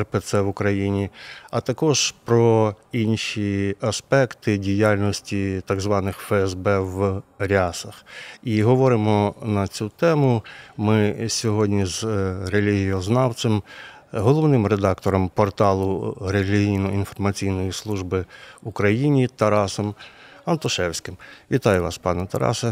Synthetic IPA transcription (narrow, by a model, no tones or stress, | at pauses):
rpet̪sɛʋʊkɾɐjinʲiɐt̪ɐkɔʒ̥pɾɔ | inʃʲiɐspɛkt̪ɪdʲijalʲnɔsʲtʲit̪ɐɡzʋɑnɪxfɛɛzbɛʋɾʲasɐxiɦɔʋɔɾɪmɔnɐt͡sʲut̪ɛmʊmɪsʲɔɦɔdʲnʲizrelʲiɦijɔznɑw̪sɪm | ɦɔlˠɔʋnɪmɾed̪ɑkt̪ɔɾɔmpɔrt̪ɑlˠʊɾelʲiɦijnɔinfɔrmɐt͡sʲijnɔjislˠuʒbɪukɾɐjinʲit̪ɐɾɑsɔmɐnt̪ɔʃɛwsʲkɪmʋʲit̪ɑjʊʋɑspɑnɛt̪ɐɾɑ̰sɐ